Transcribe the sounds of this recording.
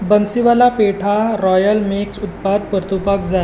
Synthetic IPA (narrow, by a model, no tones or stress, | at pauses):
bənsiʋalapeʈʰaɾɔjəlmeksut̪pad̪̚pəɾt̪upəkd͡za